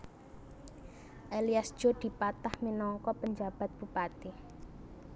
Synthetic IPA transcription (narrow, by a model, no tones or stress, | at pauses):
ʔeliasd̥ʒ̥o̤d̪̥i̤pat̪ahminɔŋkɔpəɲd͡ʒa̤b̥a̤t̪̚b̥ṳpat̪i